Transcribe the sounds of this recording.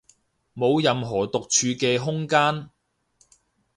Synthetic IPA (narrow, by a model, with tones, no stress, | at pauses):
mo˨˧wjɐ˨mɦɔː˨˩t̪ʊ˨k̚t͡ʃʰyː˨˧kɛː˧ɦʊ˥ŋkaː˥n